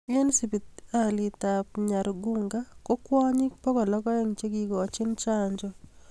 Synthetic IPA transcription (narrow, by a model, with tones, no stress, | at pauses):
e˦nsi˨bi˨ta˨lɪ˨ta˨pɲa˨ɾɔ˨ɡu˦ŋɡa˦ko˦kwɔ˦ɲɪ˦pɔ˦ɡɔ˨lɔ˦ɡɔ˦ɛ˦ŋt͡ʃe˦ɡi˨ɡɔː˨t͡ʃɪ˦nt͡ʃa˦ɲd͡ʒɔ˦